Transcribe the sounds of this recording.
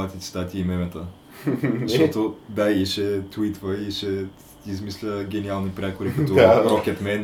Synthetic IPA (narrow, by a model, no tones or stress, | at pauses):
ɐt̪ʲɛt̪si̥t̪at̪ʲiimɛmɛt̪ə | ɐʃt̪ɔt̪od̪aiʃɛt̪uit̪vəiʃɛ | izmislʲəɡʲɛnialˠnipɾʲɛkoɾikɐt̪ɔɾɔkɛt̪mɛn